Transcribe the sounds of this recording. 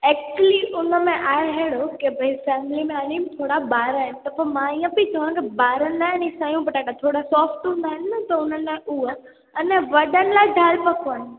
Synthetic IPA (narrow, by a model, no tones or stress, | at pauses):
ɛːk̚t͡ɕəliʔʊnəmẽʔaːeɦeɽokebʱɐifɛːmlimẽaːnimt̪ʰoːɽabaːɾaɦɪnɪ̆t̪ɐpoɾmãiːə̃pit̪ʰɐʋãkebaːɾənd̪aːɦɪnisãːjũbɐʈaːʈat̪ʰoːɽasɔːfʈɦũnd̪aːɦɪnɪɐt̪ɐʊnənẽuɦə | ɐnɛ̃ʋɐɗənɪ̆laːɪd̪ʱaːɾpɐkʰʋəñ̆